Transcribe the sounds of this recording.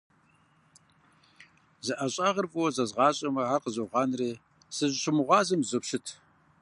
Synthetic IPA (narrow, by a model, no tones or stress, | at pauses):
zɨʔɐɕʼɑːʁərfʼuwɔzɐzʁɑːɕʼɐmɐɦaːqəzɐʁɑːnreː | sɨʑɕɪmɨʁʷɑːzɐmzɨpʃɪtʰ